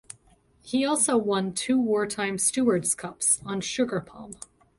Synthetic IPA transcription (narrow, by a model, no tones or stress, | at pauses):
hiɔlˠsoʊwʌ̃ntʰʉwɔɹtʰãɪ̃mstʉə˞dz̥kʰʌpsn̩ʃʊɡə˞pʰɑ̰̃m